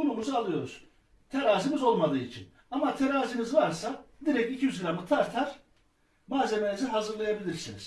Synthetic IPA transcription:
ulˠumuzalˠɯjo̞ɾuz̥ | t̪ʰeɾaːzimizo̞lˠmad̪ɯːit͡ʃʰin | amat̪ʰeɾaːzimizvaɾsad̪iɾɛcicʰijyzɡɾamɯt̪ʰaɾt̪ʰaɾ̥ | maːze̞meniziɦazɯɾlˠajabilʲiɾsinḭz̥

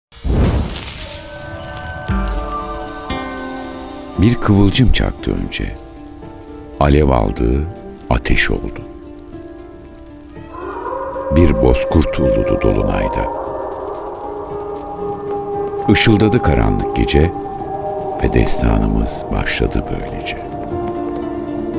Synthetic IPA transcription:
biɾkʰɯvɯlˠd͡ʒɯmt͡ʃʰak̚t̪ʰɯø̞nd͡ʒɛ | alʲɛvalˠd̪ɯː | at̪ʰɛʃo̞lˠd̪u | biɾbo̞skʰuɾt̪ʰulˠud̪ud̪o̞lˠunajd̪a | ɯʃɯlˠd̪ad̪ɯkʰaɾanlˠɯk̚ɟe̞d͡ʒɛ | vɛd̪ɛst̪ʰaːnɯmɯz̥baʃlˠad̪ɯbø̞jlʲed͡ʒɛ

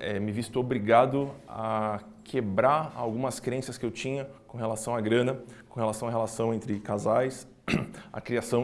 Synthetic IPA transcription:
ɛmɪvist̪ʊobɾiɡad̪ʊa̰ | kʰebɾaɾa̰wɡũmɐskɾẽsɐskɪewt͡ʃĩɲɐkõɦelasɐ̃w̃aɡɾɐ̃nɐkõhelasɐ̃w̃aɦelasɐ̃w̃ẽnt̪ɾɪkazajs | a̰kɾiasɐ̃w̃

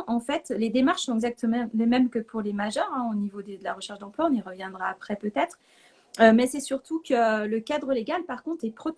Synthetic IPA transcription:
ʔɑ̃fɛt̪led̪emaʁʃsɔ̃ɛɡzak̚t̪əmɑ̃lemɛmkəpʰuʁlemaʒœʁɛ̃onivod̪ed̪əlaʁəʃɛʁʃd̪ɑ̃plwaɔ̃niʁəvjɛ̃d̪ʁaːpχɛpøt̪ɛt̪χ | ømɛsɛsyʁt̪ukələkad̪ʁəleɡalpaʁkɔ̃t̪χɛpχɔt̪

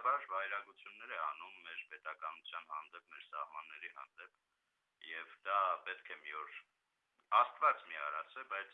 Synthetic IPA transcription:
bɑɾvɑjɾɑɡut͡sʰjunːɛɾɛɑnumːɛɾpɛt̪ɑkɑnut͡sʰjɑnhɑnd̪ɛp̚mɛɾsɑhmɑnːɛɾiɦɑ̰nd̪ɛp | jɛvd̪ɑpɛt̪kʰɛmiɔɾ | ɑst̪vɑt͡smiɑ̰ɾɑt͡sʰɛbɑjt͡sʰ

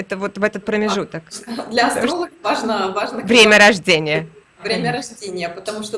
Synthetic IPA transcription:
ɛt̪əvot̪vɛt̪ət̪̚pɾəmʲɪʐut̪əkd̪lʲɐɐsolˠəvaʐnəvaʐnəvɾʲemʲəɾɐʐdʲenʲɪjə | vɾʲemʲəɾɐʐdʲenʲɪjəpət̪ɐmuʂt̪o

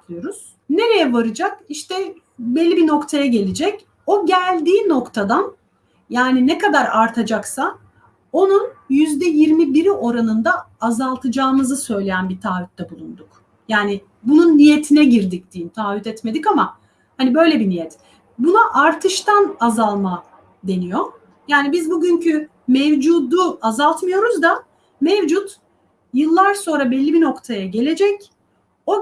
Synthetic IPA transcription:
lˠɯjo̞ɾuz̥ | ne̞ɾe̞jɛvaɾɯd͡ʒakiʃt̪ɛ | belʲːibino̞kt̪ʰajaɟe̞lʲid͡ʒɛc | o̞ɟælʲd̪iːno̞kt̪ʰad̪an | jaːninɛkad̪aɾaɾt̪ʰad͡ʒaksa | o̞nunjyzd̪ɛjiɾmibiɾiʔo̞ɾanɯnd̪aːzalˠt̪ʰɯd͡ʒaːmɯzɯsø̞jlʲe̞jænbit̪ʰaːvyt̪̚d̪ɛbulˠund̪uk | jaːnɪ | bununːije̞t̪ʰinɛɟiɾd̪ic̚d̪iːnt̪ʰaːvyt̪ɛt̪me̞d̪ikama | hanibø̞jlʲebinijɛt̪ | bunaʔaɾt̪ʰɯʃt̪ʰanazalˠma | d̪e̞nijo | jaːnibizbuɟyɲcʰy | mɛvd͡ʒuːd̪uazalˠt̪mɯjo̞ɾuzd̪a | mɛvd͡ʒut̪ | jɯlˠːaɾso̞nɾabɛlʲːibino̞kt̪ʰajaɟe̞lʲe̞d͡ʒɛc | o̞

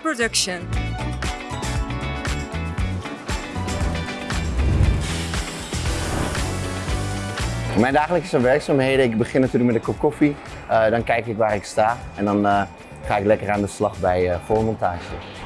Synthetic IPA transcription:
podɵkʃən | mɛjndaːχələkəsənʋɛɹksaːmɦejdəɪkbəχɪnatyːrlək̚mɛtdəkɔpkɔfi | dɑnkɛjkɪkʋaːrɪkstaːɛndɔn | χaːɪklɛkəraːndəslɑχbɛjəfoːmɔntaːʒə

